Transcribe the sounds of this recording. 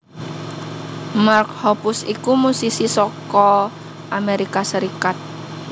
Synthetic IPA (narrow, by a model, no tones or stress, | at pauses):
mark̚hɔpʊsikumusisisɔkɔ | ʔameɾikasəɾikat̪̚